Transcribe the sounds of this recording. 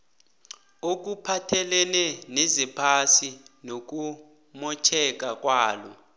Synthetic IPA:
ok̬upʰatʰɛlɛnɛnezipʰasinok̬u | mɔt͡ʃʰɛk̬ʼak̬ʼwaːlɔ̰

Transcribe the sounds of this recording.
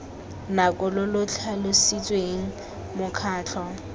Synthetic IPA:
nakʼʊlʊlʊt͡ɬʰalʊsit͡sʼweŋ̩ | mʊkʰaːt͡ɬʰɔ

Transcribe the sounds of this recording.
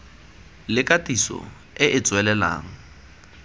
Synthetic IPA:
lɪkʼatisɔ̰ | ɪʔɪt͡sʼwɛlɛla̰ːŋ̩

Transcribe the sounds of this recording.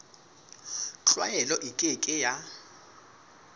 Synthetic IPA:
t͡ɬʼwa̰jɛlɔʔikʼekʼɪja

